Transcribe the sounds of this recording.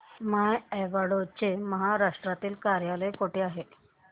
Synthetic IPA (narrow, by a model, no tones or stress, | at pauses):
majɛʋaɽot͡ɕeməɦaɾaʂʈɾat̪iːlkaɾjaləjkoʈeaɦe